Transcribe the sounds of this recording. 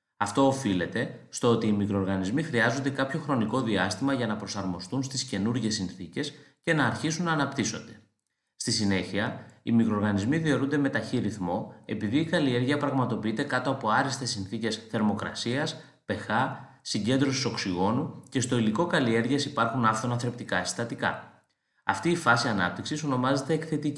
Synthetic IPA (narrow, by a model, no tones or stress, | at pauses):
ɐft̪o̞ːfile̞t̪e̞st̪o̞o̞t̪iːmikɾo̞ːɾɣɐnizmixɾiɐzo̞nd̪e̞kɐpço̞xɾo̞niko̞ðiɐst̪imɐʝɐnɐpɾo̞sɐɾmo̞st̪unst̪isce̞nuɾʝe̞sinθice̞sce̞nɐːɾçisunɐːnɐpt̪iso̞̰nd̪e̞ | st̪isine̞çiɐimikɾoɾɣɐnizmiðio̞ɾund̪eme̞t̪ɐçiɾiθmo̞e̞piðiːkɐlie̞ɾʝiɐpɾɐɣmɐt̪o̞piit̪e̞kɐt̪oɐpo̞ɐɾist̪e̞sinθice̞sθe̞ɾmo̞kɾɐ̰siɐs | pe̞xɐ | siɲɟe̞nd̪ɾo̞siso̞ksiɣo̞nuce̞st̪o̞iliko̞kɐlie̞ɾʝesipɐɾxunɐft̪onɐθɾe̞p̚t̪ikɐest̪ɐt̪ikɐ̰ | ɐ̰ft̪iːfɐsiɐnɐ̰p̚t̪iksiso̞no̞mɐze̞t̪e̞ːkθe̞t̪ii